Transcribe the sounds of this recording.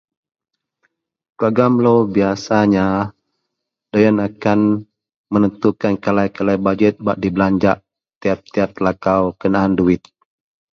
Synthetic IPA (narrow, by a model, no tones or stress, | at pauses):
kəaɡamlobiasaɲa | dajanakan | mənənt̪ukankalajkalajbad͡ʒət̪̚ba̰ʔdiblaɲd͡ʒaʔ | t̪iap̚t̪iat̪̚lakawkənaːnduɪt̪̚